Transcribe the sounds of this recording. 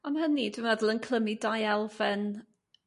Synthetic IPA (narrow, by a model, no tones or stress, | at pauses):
ɔnhənidwɪmvɛdlˠənkʰlˠəmidajɛlˠvɛn